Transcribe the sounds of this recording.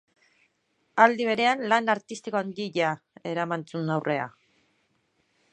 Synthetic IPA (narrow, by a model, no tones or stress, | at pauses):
ald̪iβ̞e̞ɾe̞anlanaɾt̪ist̪ikoand̪iʎa | e̞ɾamant͡sunawre̞a̰